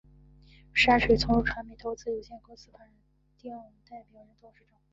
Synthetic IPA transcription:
ʂa˥ʂe˨˩t͡sʰʊ˧˥ŋɻu˥˩ʈ͡ʂʰwɑ˧˥ŋmi˧˥t̪ʰo˧˥ʊt͡sɹ̩˥˩jo˨˧˩ɕjɛ˥˩ko˥sɹ̩˥pʰa˧˥nɻə˧˥n | t̪i˥˧a˥˩ə˧˥nt̪a˥˩ɪpjɔ˨˩ʊɻə˧˥nt̪o˥ŋʂɻ̩˥˧ʈ͡ʂɤ˥˩ŋ˥

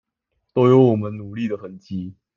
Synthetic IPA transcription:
t̪o˥ʊjo˧˥ʊwɔ˨˩mə˦nnu˨˩˦li˥˩d̪ə˩xə˨˩nt͡ɕi˧˥

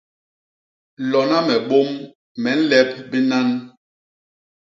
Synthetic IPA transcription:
lɔ˨na˦mɛ˨ɓo˦m | mɛ˨˦n̩˦lɛ˦p̚bi˦na˦n

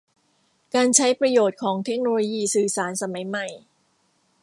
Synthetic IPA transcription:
kaː˧nt͡ɕʰa˦˥jpɾa˧joː˨˩t̪̚kʰɔː˩˦ŋt̪ʰe˦˥k̚noː˧loː˧jiː˧sɯː˨˩saː˨˩˦nsa˧ma˩˦jma˨˩j

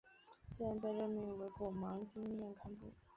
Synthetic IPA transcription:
t͡s̩˥a˧˥nt̪a˥˧ɻə˥˩nmi˧˥ŋwe˧˥ɪkɔ˥˩mɑ˧˥ŋt͡ɕi˥ŋjɛ˥˧nkʰa˥npṵ˥˩

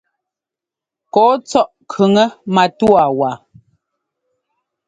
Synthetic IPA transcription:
kɔː˨˦t͡sɔ˦ʔkʰʉ˨ŋə˦ma˨twa˨wa˨

